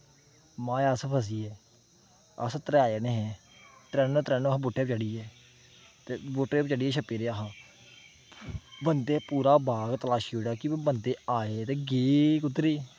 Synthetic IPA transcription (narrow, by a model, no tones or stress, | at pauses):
mãːaspʰəs̬iːɛː | ə̰st̪əɾaːeneːɦɛ̃ː | t̪ɾɛːnõːt̪ɾɛːnːɦboːʈːeːpt͡ʃəɽiːɛː | t̪eːboʈːeːpt͡ʃəɽiːɛːʃʰəpːeːɾeːaɦãː | bənd̪eːpuːɾaːbaːɡt̪əlaːʃiːoːɽaːkibənd̪eːaːeːt̪eːɡeːkʊt̪ːɾeː